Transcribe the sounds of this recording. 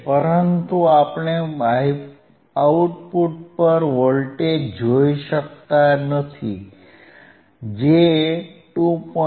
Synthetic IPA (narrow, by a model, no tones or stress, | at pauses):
pəɾənt̪uapɳ̃eai | auʈpuʈpəɾʋəɭlʈed͡ʑʱojɕək̚t̪anət̪ʰi | d͡ʑet̪ũpə